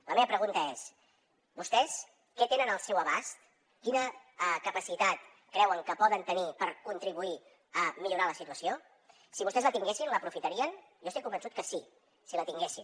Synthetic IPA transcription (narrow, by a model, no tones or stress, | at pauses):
ləmeβəpɾəɣunt̪əes | bust̪ɛs | kɛt̪enənəlˠsɛwəβ̞ast̪ | kinə | kəpəsit̪at̪ | kɾɛwəŋkəpɔðənt̪ənipəɾkunt̪ɾiβui | əmiʎuɾaləsit̪uəsio | siβust̪ɛzlət̪iŋɡesinləpɾufit̪əɾiən | ʒɔst̪ikːumbənsut̪̚kəsi | silət̪iŋɡesi